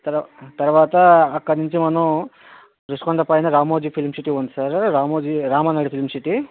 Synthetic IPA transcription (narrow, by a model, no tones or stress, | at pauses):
t̪ɐɾt̪ɐɾʋaːt̪ɐːkːɐniɲt͡ʃimɐnu | ɾiskoɳɖɐpaːjinɐɾaːmoːd͡ʒipʰilmsiʈiʋond̪sɐɾɾaːmoːd͡ʒiɾaːmɐnaːɽipʰilmsiʈi